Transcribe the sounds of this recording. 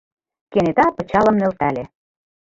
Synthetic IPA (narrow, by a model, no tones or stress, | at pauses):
kenet̪ɑpɤ̆t͡ɕɑlɤ̆mnø̆lt̪æle